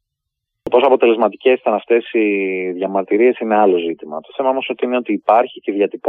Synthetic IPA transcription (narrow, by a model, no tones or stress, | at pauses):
t̪o̞po̞soɐpo̞t̪e̞le̞zmɐt̪ice̞si̥t̪ɐnɐft̪e̞siðjʝɐmɐɾt̪iɾie̞sine̞ɐlo̞zit̪imɐ̰t̪o̞θe̞mɐomosot̪iineo̞t̪iːpɐɾçiceðʝɐt̪ip